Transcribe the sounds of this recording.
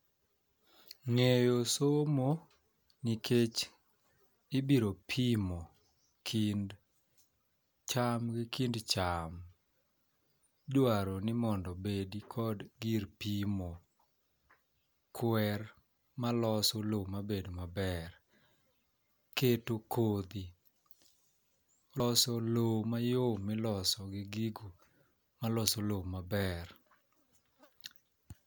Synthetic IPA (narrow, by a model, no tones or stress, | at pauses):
ŋejosomo | nikʰet͡ʃ | ɪbiɾopʰimo | kʰn | t͡ʃamɡikindt͡ʃam | dwaɾonɪmɔndɔbedikʰɔdɡiɾpimo | kwɛr | malɔsɔlomabedomabɛr | ketokʰod̪i | ɔsɔlomajomɪlɔsɔɡɪɡiɡo | malɔsɔlomabɛr